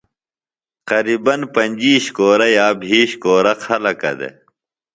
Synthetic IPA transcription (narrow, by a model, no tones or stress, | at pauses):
qɐɾiːbɐnpɐɲʲd͡ʑiːɕkoːɾɐjaːbʱiːɕkoːɾɐkʰɐlɐkɐ̰d̪ḛ